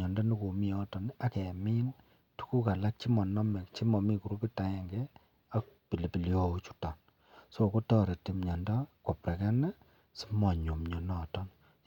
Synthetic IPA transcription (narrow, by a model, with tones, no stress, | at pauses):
ɲɔ˨ndɔ˦ni˦ko˨mi˦ɔ˦tɔ˨na˦kɛ˨mi˦n | tu̥˦ku˦ka˨la˦k̚t͡ʃi˦mɔ˨nɔ˦mɛ˨kt͡ʃi˦mɔ˨mi˦ku˨ɾu˦pi˦ta˨ɛ˨ŋɡɛ˦ | a˦k̚pi˨li˨pi˨li˦o˦t͡ʃu̥˨tɔ˨n | so˨ko˦tɔ˦ɾe˨ti˨˦mɲɔ˨ndɔ˦ko˨pɾɛ˨kɛ˦nɛ˦ | si̥˦mɔ˨ɲo˨mɲo˨nɔ˦˨tɔ˦n